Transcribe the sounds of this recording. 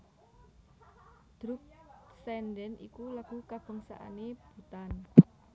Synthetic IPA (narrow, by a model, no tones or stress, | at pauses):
d̪̥ɾuk̚sɛnɖɛnḭkulaɡ̥ṳkab̥ə̤ŋsa̰ʔa̰neb̥ṳt̪an